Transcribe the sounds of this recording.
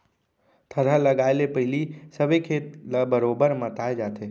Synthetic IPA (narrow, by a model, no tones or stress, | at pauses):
t̪ʰəɾaləɡaːɪlepəɦɪlisəbekʰeːt̪labəɾoːbəɾmãt̪aːed͡ʒaːt̪ʰeː